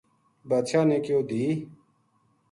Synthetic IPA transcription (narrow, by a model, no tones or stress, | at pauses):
bat̪ʃʰaːneːkjoːd̪iː